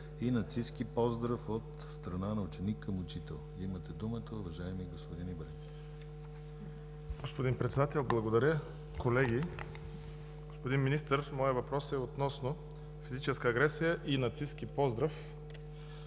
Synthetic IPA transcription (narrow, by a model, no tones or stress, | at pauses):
inɐt̪siskipɔzd̪ɾəfot̪ | st̪ɾɐnanɐʊt͡ʃɛnikːəmʊt͡ʃit̪ɛlˠimɐt̪ɛd̪umət̪əʊvɐʒaɛmiɡospod̪inibɾɛkʲi̥ | ɡ̥ospod̪inpɾɛt̪sɛd̪at̪ɛlˠblˠɐɡod̪ɐɾʲə | kolɛɡi | ɡ̥ospod̪inminist̪əɾmɔjəvɐpɾɔsɛot̪nɔsno | fizit͡ʃɛskəːɡɾɛsijəʔinɐt̪siskipɔzd̪ɾəf